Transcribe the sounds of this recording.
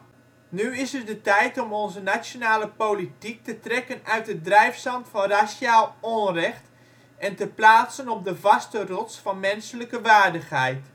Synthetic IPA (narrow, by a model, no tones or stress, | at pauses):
nyɪsət̚dətɛjtɔmɔnzənasjonaːləpolitik̚tətrɛkənœɥt̚ədrɛjfsɑntfɑnrasaːlˠonrɛxt | ɛntəplaːtsənɔp̚dəvɑstərɔsfɑnmɛnsələkəʋaːrdəxɦɛjt